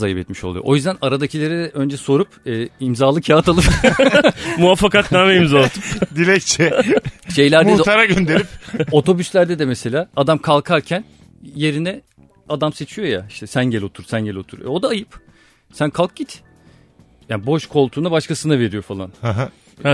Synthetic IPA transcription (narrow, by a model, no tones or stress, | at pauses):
zajɯpɛt̪miʃo̞lˠujo̰ʔojyzd̪ænaɾad̪acʰilʲˠeɾɛd̪ɛʔø̞nd͡ʒɛso̞ɾupɛːimzaːlˠɯkʰat̪ʰalˠɯp | muafːakat̪naːmeimzalt̪ɯpd̪ilʲɛct͡ʃʰɛʃe̞jlʲæɾd̪ɛudɛt̪ʰaɾaɟønd̪e̞ɾipo̞t̪ʰo̞byslʲæɾd̪ɛd̪ɛmɛse̞lʲaːad̪amkʰalˠkʰaɾcʰæn | je̞ɾinɛ | ad̪amse̞t͡ʃʰijo̞jaiʃt̪ʰɛsænɟelʲo̞t̪ʰuɾsænɟelʲo̞t̪ʰuɾɛ̰o̞d̪aːjɯp | sænkʰalˠk̚ɟit̪ | jaːnbo̞ʃkʰo̞lˠt̪ʰuːnabaʃkasɯnave̞ɾijo̞falˠa̰nhaɦa